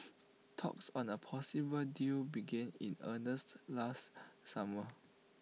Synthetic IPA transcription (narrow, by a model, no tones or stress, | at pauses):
tʰɔ̰ksɔ̃nəpʰɔsibəldibiɡɛ̃nḭ̃nənəstlastsamə